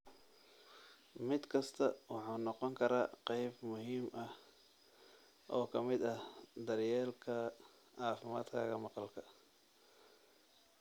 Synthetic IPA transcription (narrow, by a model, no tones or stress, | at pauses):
mɪd̪kʰɐst̪ʰɐwɑħuːnɔqɔŋkʰɐɾaːqɛjbmʊhiːmɐh | ʔɔːkʰɐmɪd̪ɐhd̪ɐrjɛːlkʰɐ | ʕɑːfɪma̰ːd̪kʰɐ̰ɣɐmɑqɑlkʰɐ